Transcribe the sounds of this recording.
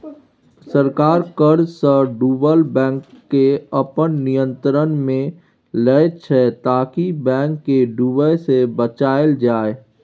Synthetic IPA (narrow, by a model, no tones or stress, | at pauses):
səɾkaːɾkəɾsəɖuːbəlbɛ̃ːŋkːeəpənnijə̃nt̪ɾənmẽ | lət͡ʃʰɛt̪aːkibɛ̃ːŋkːeɖuːbəjsebət͡ʃaːeld͡ʒaːe